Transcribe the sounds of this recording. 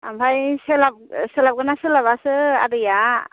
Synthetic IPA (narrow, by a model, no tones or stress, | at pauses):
ambʱajselab̚selab̚ɡɯnasɯlaβasɯa̰dɯja